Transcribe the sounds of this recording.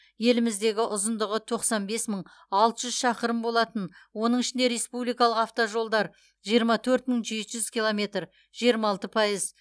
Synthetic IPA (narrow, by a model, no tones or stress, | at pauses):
je̞lɪmɪzd̪e̞ɡʲɪʔʊzənd̪əʁət̪ʰo̞qsɑnbe̞sməɴ | ɑlˠt̪əʒʏzʃɑqəɾəmbo̞lˠɑt̪ənwo̞nəɴɪʃɪnd̪e̞ɾe̞spublijkɑlˠəqɑft̪oʒo̞lˠd̪ɑɾ | ʒijəɾmɑt̪ʰɵɾt̪̚məɴʒe̞t̪ʒʏz̥kʲilˠo̞mʲe̞t̪r | ʒ̥ijəɾmɑɑlˠt̪əpʰɑjəz